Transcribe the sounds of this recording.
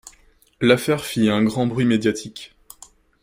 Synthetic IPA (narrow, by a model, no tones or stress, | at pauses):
lafɛʁfiɛ̃ɡʁɑ̃bʁɥimed̪jat̪ʰik